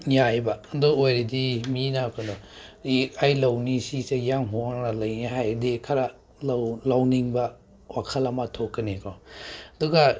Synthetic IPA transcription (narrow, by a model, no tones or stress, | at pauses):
jajbadɔojɾidiminakʰanɔ | ajlɐwnisisejaŋɦuaŋnalɐjniɦajdikʰaɾa | lawniŋbɐ | wakʰɐlamatʰokːɐnekʰawaduɡa